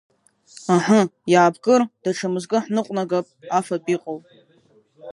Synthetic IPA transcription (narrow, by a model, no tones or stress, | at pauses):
aħajaːbɡɨrd̥aʈ͡ʂʰamɨzɡʼɨħnɨqʷʼnaɡapʼafapʼiqʼowʼ